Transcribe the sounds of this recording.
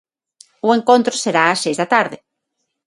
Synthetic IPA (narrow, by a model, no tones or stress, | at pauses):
ʊeŋkõnt̪ɾʊseɾaːsejzðɐt̪aɾðɪ